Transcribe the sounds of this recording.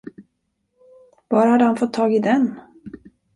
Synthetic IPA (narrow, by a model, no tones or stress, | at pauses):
v̥ɑːɾhad̪ːəhanfɔt̪ʰːɑːɡɪd̪ɛn